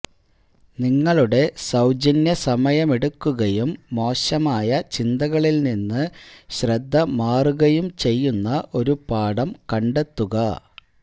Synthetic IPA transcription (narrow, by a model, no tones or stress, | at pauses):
niŋːɐɭuɽe̞sɐwd͡ʑɐnjɐsɐmɐjɐmeɽukːuɣɐjumːo̞ːɕɐmaːjɐt͡ɕind̪ɐɣɐɭilninːɨɕrɐd̪ʱːɐmaːruɣɐjumt͡ɕe̞jːunːɐʔo̞ɾupaːɽɐmkɐɳɖe̞t̪ːuɣɐ